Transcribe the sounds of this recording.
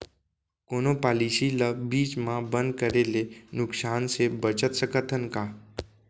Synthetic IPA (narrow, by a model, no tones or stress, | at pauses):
koñopaliɕiləbiːt͡ɕmabənd̪kəɾelenuksansebət͡ɕət̪səkət̪ʰənka